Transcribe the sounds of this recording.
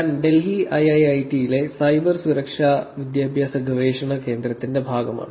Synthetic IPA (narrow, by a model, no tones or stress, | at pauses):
nɖe̞lɦiɐjɐjɐjʈijile̞sɐjbɐrsuɾɐkʂaːʋid̪jaːbʱjaːsɐɡʱɐʋeːʂɐɳɐke̞ːnd̪ɾrɐt̪ːinde̞bʱaːɡɐma̰ːɳɨ